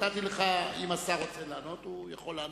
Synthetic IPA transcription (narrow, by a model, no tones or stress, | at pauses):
tat̪ileχaimasaʁot͡selaːno̞t̪ujeχo̞laː